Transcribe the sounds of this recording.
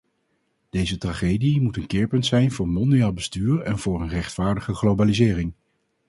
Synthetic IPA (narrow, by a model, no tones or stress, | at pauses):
d̥ejzətraχejdimutənkɪːɹpɵntsɛjnvʊːɹmɔndijaːlˠbəstyːɹɛnv̥ʊːɹənrɛχtfaːɹdəχəχlowbaːlizɪːrɪŋ